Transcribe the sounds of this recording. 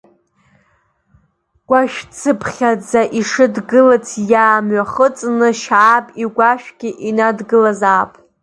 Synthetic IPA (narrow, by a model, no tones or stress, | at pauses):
ɡ̥ʷaʃᶣt͡sʰɨpʰχʲad͡zaʔiʂɨdɡɨlɨt͡sʰjaːmɥaχət͡sʼnɨʃaːpʼiɡʷaʃᶣɡ̥ʲɪʔinadɡɨlazaːpʼ